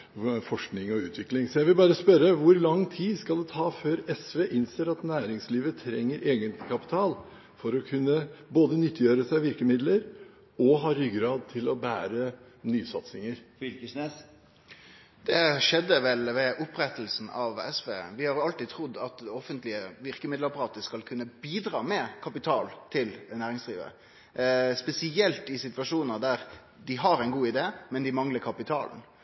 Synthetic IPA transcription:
fɔʂknɪŋɔʉːt̪ʰʋɪklɪŋsɔjæɪʋɪlbɑːɾəspœɾəʋʊɾlɑŋːt̪ʰiːdskɑld̪ɛt̪ʰɑːføːɾɛsʋeːʔɪnseːɾɑt̪næːɾɪŋsliːʋət̪ʰɾɛŋːəɾʔeːɡənt̪ɪkʰɑpɪ̥t̪ʰɑːl | fɔɾɔkʰʉnːəboːd̪ənʏt̪ʰːjøːɾəsæɪʋɪɾkəmɪd̪ləɾ | ɔɦɑːɾʏɡɾɑːd̪̚t̪ʰɪlɔbæːɾə | nyːsɑt̪sɪŋəɾfʏlkəsnes | d̪̥ɛʂɛd̪ːəʋɛlʋɛʔʊpɾɛt̪əl̩sn̩ɑʋɛ̰sʋḛːʋɪhɑɾjʊɑlt̪iːt̪ʰɾʊd̪ːɑt̪ɔfənt̪lɪəʋɪɾkəmɪd̪lɑpɑɾʁɑːt̪əskɑlkʰʉnːəbiːd̪ɾɑ̰ːmɛkʰɑpɪt̪ʰɑːlt̪ʰɪlnæːɾɪŋsd̪ɾḭːʋə̰ | spɛsɪɛlt̪ɪsɪt̪ʋɑʂuːnəd̪æɾ | d̪ɪɦɑɾɛɪnɡuːɪd̪eːmɛnd̪ɪmɑŋləɾkʰɑpɪt̪ʰɑ̰ːln̩

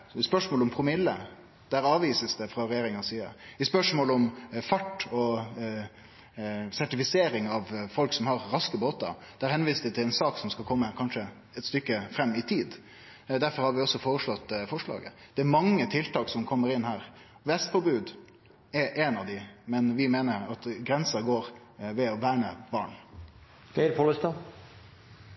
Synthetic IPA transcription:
spœʂmoːlɔmpʰɾʊmɪlːə | d̪̥ɛæɾɑːʋiːsəsd̪ɛfɾɑɾɛjeːɾɪŋɑsiːə̰ɪspœʂmoːləɔmfɑʈːɔ | sæʈɪfɪseːɾɪŋɑʋfɔlksɔmhɑɾːɑskəboːt̪ɑ̰d̪̥ɛæɾhɛnʋiːsd̪ət̪ʰɪlɛnsɑːksɔmskɑkʰɔmːəkʰɑnʂə | ɛt̪st̪ʏkːəfɾɛmːɪt̪ʰiːd̪ | d̪æɾfɔɾhɑɾʋɪɔsːɔfoːɾəʂɭɔt̪ːfɔʂɭɑ̰ːɡə̰d̪̥ɛæɾmɑŋːət̪ʰɪlt̪ɑːksɔmkʰɔmːəɾɪnːhæːɾ | ʋɛst̪fɔbʉːd̪ | ɛɾʔɛnɑʋd̪ɪmɛnʋɪmeːnəɾɑt̪ɡɾɛnsɑɡoːɾ | ʋɛɔʋæːɳəb̥ɑːɳ | kʰɛɪɾpʰoːləst̪ɑ

